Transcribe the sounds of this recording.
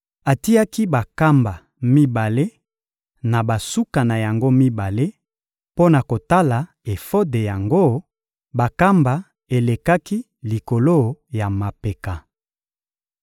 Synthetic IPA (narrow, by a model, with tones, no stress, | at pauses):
a˨ti˦a˦ki˦ba˨ka˦mba˨ | mi˦ba˨le˦ | na˨ba˨su˦ka˨na˨ja˨ŋɡo˦mi˦ba˨le˦ | po˦na˨ko˨ta˦la˨ | e˨fo˦de˨ja˨ŋɡo˦ | ba˨ka˦mba˨ | e˨le˨ka˦ki˦ | li˨ko˨lo˦ja˨ma˨pe˨ka˨